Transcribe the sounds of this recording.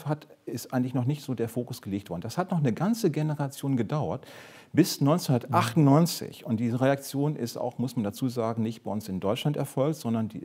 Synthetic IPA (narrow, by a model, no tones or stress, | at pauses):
fhat | ɪstʔaɪɡŋ̩tlɪçnɔχnɪçtz̥oːdeːɐfoːkʊsɡ̥əleːktv̥ɔɐdn̩d̥ashatnɔχnəɡant͡səɡenəʁat͡sjoːnɡədaʊɐ̰ɐt | b̥ɪsnɔʏnt͡senhundɐtʔaχtʊnnɔʏnt͡sɪ̰çʊnt̚d̥iːzəʁeak̚t͡sjoːnʔɪ̰sta̰ʊxmʊsmandat͡suːzaːɡŋ̩nɪçt̚b̥aɪʔʊnsɪndɔʏt͡ʃlantɛɐfɔlkz̥ɔndɐndḭː